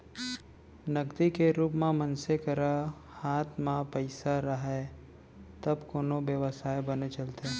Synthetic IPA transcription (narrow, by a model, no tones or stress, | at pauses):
nɐɡd̪ikeɾuːpmẽmənsekəɾa | haːt̪ʰmãpəɪsaɾəɦe | t̪ɐbkoːnoʋjəʋəsaːjbənet͡ʃɐlt̪e